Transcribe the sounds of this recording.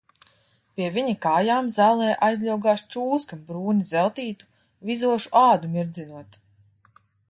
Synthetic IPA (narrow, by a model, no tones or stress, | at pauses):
pʲiɛvʲiɲikaːjaːmzaːlˠɛːʔajzlʲawɡaːʃt͡ʃuːskambɾuːnizɛlˠt̪iːt̪u̥ | vizuɔʃu̥ʔaːd̪umiɾd̪zinuɔt̪